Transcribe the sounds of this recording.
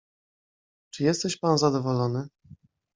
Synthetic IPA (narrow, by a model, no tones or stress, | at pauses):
t͡ʂɘjɛst̪ɛɕpanzad̪ɔvɔlɔnɘ